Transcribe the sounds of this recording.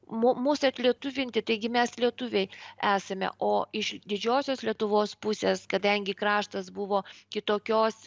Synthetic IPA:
mumuːsɐt̪ʲlʲiɛt̪ʊʋʲɪnʲt̪ʲɪt̪ɐɪɡʲɪmʲɛslʲiɛt̪ʊʋʲɛɪæːsɐmʲɛ̰ʔoːɪʃd̪ʲɪd͡ʒʲoːsʲoːslʲiɛt̪ʊʋoːspʊsʲeːskɐd̪ɐŋʲɡʲɪkɾɑːʃt̪ɐsbʊʋoːkʲɪt̪oːkʲoːs

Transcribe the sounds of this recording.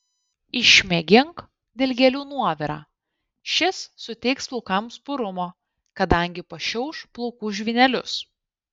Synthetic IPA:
ɪʃʲmʲɛɡʲɪŋk | d̪ʲeːlʲɡʲɛlʲuːnuɔʋʲɪɾɑ̰ː | ʃʲɪsːʊt̪ʲɛɪksplˠɔʊkɐmspʊɾʊmoː | kɐd̪ɐŋʲɡʲɪpɐʃʲɛʊʃplˠɔʊkuʒʲʋʲɪnʲɛlʲʊs

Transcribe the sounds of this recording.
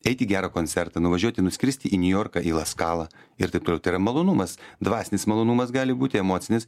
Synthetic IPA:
ɛɪt̪ʲɪɡʲæːɾɐkoːnʲsʲɛɾt̪ɐnʊʋɐʒʲuɔt̪ʲɪnʊsʲkʲɾʲɪsʲt̪ʲɪʔinʲʊjoːrkɑʔiːlˠɐskɑːlˠɐ | ɪ̰ɾt̪ɐɪpt̪oːlʲɛʊt̪ɐɪrɐmɐlˠoːnumɐsd̪ʋɑːsʲɪnʲɪsmɐlˠoːnumɐsɡɑːlʲɪbuːt̪ʲɪɛmoːt̪sʲɪnʲɪs

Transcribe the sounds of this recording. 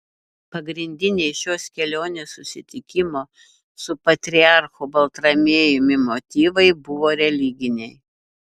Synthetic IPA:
pɐɡɾʲɪnʲd̪ʲɪnʲɛɪʃʲoːskʲɛlʲoːnʲeːssʊsʲɪt̪ʲɪkʲɪmoː | sʊpɐt̪ʲɾʲɪɑˑɾxoːbɐlˠt̪ɾɐmʲeːjʊmʲɪmot̪ʲiːʋɐɪbʊʋoːɾʲɛlʲɪɡʲɪnʲɛɪ

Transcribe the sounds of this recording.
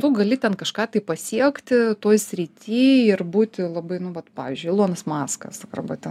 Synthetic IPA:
t̪ʊɡɐlʲɪt̪ʲɛnkɐʃkɑːt̪ɐɪpɐsʲiɛkt̪ʲɪt̪oːjsʲɾʲit̪ʲiːɪrbuːt̪ʲɪlˠɐbɐɪnʊʋɐt̪pɑ̰ːʋʲiːzʲd͡ʒʲʊɪlˠuɔnɐsmɑːskɐ̰skɐrbɐt̪ʲɛn

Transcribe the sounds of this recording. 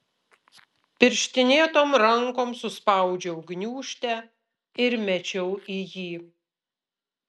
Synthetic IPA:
pʲɪɾʲʃʲt̪ʲɪnʲeːt̪oːmɾɐŋkoːmsʊspɑˑʊd͡ʒʲɛʊɡnʲuːʃʲt̪ʲɛ | ɪɾmʲɛt͡ʃʲɛʊʔijiː

